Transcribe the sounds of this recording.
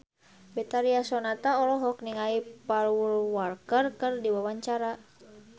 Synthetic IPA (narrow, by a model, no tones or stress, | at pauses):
bɛt̪aɾiasɔnat̪aɔlɔɦɔk̚niŋaipalwulwɔrkərkɨrdiwawaɲt͡ʃaɾa